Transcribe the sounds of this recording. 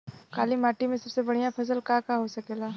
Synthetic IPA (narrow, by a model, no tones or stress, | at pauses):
kaːlimaːʈimẽsɐbsebɐɽ̤ijãpʰɐsəlkakaɦosɐkeːlaː